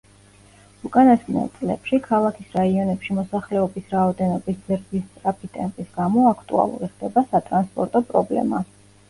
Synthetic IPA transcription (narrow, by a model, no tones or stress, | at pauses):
ukʼanasmnɛ̰t̪sʼlɛ̰pʃikʰalˠakʰisɾaiɔnɛpʃimɔsaχlɛɔbisɾaɔd̪ɛnɔbiszɾd̪ist̪ʼɾapʰit̪ʼɛmpʼisɡamɔakʰt̪ʼṵa̰lˠṵɾiχd̪ɛbasat̪ʼɾanspʼɔɾt̪ʼɔpʼɾɔblɛ̰ma